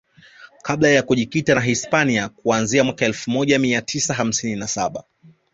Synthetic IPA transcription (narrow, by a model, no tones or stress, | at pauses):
kʰaɓlajakuʄikitanaɦispaniakuanziamwakaɛlfumɔʄamiatʰisaɦam̩sininasaɓa